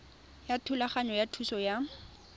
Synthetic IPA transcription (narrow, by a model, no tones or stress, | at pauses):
jatʰʊlaχaɲɔjatʰusɔja